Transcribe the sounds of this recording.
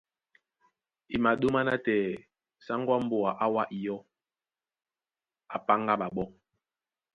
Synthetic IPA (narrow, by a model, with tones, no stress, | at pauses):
i˨ma˨ɗo˦ma˦na˦tɛː˨ | sa˦ŋɡwa˦m̩˦bo˨a˨ʔa˦wa˦ʔi˨jɔ˦ | a˨pa˦ŋɡa˦ɓa˨ɓɔ˦